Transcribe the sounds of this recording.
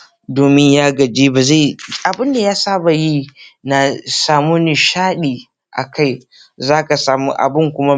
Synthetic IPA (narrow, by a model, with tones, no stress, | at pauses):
doː˨mɪ˦ɲjaː˦ɡɐ˨d͡ʒiː˦ba˨za˦˨ʔa˨bɪ˦nda˨jaː˦saː˦ba˨ji˦na˨saː˨mu˦ni˨ʃaː˦ɗiː˨ | ʔa̰˨ka˦˨j | zaː˦ka˨saː˨mu˦ʔa̰˨bɪ˦ŋkʷʊ˦ma˦